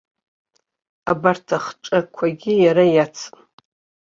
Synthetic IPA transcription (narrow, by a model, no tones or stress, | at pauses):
abartʰaχʈ͡ʂʼakʷʰaɡʲɪjaɾajat͡sʰ